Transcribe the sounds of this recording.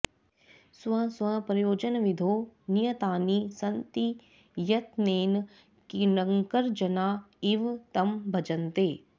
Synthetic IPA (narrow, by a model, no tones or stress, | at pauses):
sʋɐ̃swɐ̃pɾɐjoːd͡ʒənʋɪd̪ʱoːnijət̪aːnisɐnt̪i | jɐt̪neːn | kinɐ̃ŋkəɾd͡ʒɐnaːɪʋt̪ɐmbʱɐd͡ʒənt̪eː